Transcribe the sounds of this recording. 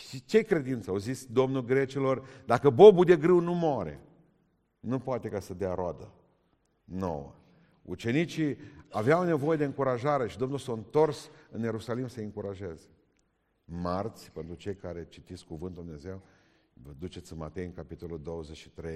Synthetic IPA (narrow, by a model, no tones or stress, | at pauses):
it͡ʃe̞kɾe̞d̪int̪səowzisʲd̪o̞mnulɡɾe̞t͡ʃilo̞rd̪akəbo̞bud̪e̞ɡɾɨwnumoaɾe̞̰ | nupoat̪e̞kasəd̪eaɾoad̪ə | no̰wə̰ | ṵt͡ʃe̞nit͡ʃiaveawne̞vo̞je̞d̪eɨŋkuɾaʒaɾe̞ʃid̪o̞mnulsawɨnt̪o̞rsɨnje̞ɾusalimsəɨŋkuɾaʒe̞ze̥ | mart̪sʲpe̞nt̪ɾut͡ʃe̞jkaɾe̞t͡ʃit̪iskkuvɨnt̪d̪umneze̞w | vəd̪ut͡ʃe̞t̪sɨnma̰t̪e̞jɨŋkapit̪o̞lod̪o̞wəzet͡ʃʃi̥t̪ɾej